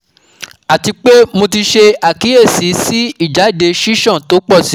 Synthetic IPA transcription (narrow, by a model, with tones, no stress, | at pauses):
a˨ti˧k͡pe˦mo˧t̬i˧ʃe˧a˨ki˨˦je˦˨si˨˦si˦i˦˨d͡ʒa˨˦i˦˨de˧ʃi˦ʃɔ̃˦˨to˨˦k͡pɔ˦˨si˨˦